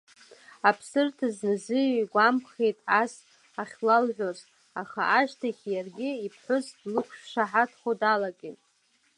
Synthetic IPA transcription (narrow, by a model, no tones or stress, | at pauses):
apʰsɨrtʰaznɨzɨjjɡʷamχejtʼas | aχʲlalʕʷᶣoz | aχa̰aʃtʰaχʲʰjarɡʲɪipʰħʷʊzdlɨkʷʰʂʃʷaħatʰχodalakʼitʼ